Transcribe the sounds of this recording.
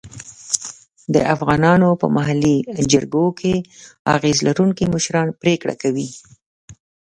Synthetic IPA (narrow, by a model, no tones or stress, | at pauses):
d̪ə̰ʔafɣɑnɑnopə̰maɦalid͡ʒaɾɡokʰea̰ɣezlaɾuŋkimʊʃɾɑnpɾekɽa̰kawi